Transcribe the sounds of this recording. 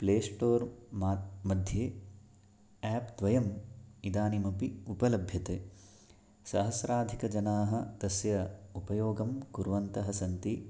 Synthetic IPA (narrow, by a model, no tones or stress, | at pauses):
pleːsʈoːɾmamɐd̪ʱjeː | æːpd̪ʋɐjɐmid̪aːnimɐpiupɐlɐbʱjɐt̪eː | sɐɦɐsɾaːd̪ʱikɐd͡ʒɐnaːɦɐd̪̥ɐsjɐupɐjoːɡɐmkuɾʋɐnt̪ɐɦɐsɐnt̪i